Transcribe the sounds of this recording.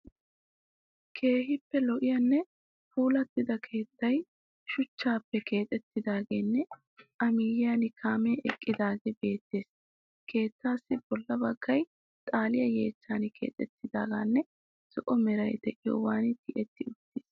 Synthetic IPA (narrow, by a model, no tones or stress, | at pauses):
kʰe̞ːɦɪpːɛlɔʔɪjɐnːɛ | puːlɐt̪ːɪd̪ɐkʰe̞ːt̪ːɐj | ʃʊt͡ʃːaːpːɛkʰe̞ːt̪ʼɛt̪ːɪd̪aːɡe̞ːnːɛ | ʔɐmɪjɪjɐnɪkʰaːmɛːʔɛkʼːɪd̪aːɡebe̞ːt̪ːe̞ːs | kʰe̞ːt̪ːaːsːɪb̥ɔlːɐbɐɡ̥ːɐj | t̪ʼaːlɪjɐjḛːt͡ʃːaːnɪkʰḛːt̪ʼɛt̪ːɪd̪aːɡaːnːɛ | z̥ɔʔɔmɛɾɐjd̪ɛʔɪjo̰ːwaːnɪt̪ɪʔɛt̪ːɪʊt̪ːeːs